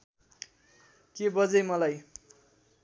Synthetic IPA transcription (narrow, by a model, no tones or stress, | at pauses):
kebʌd͡zʌjmʌlaj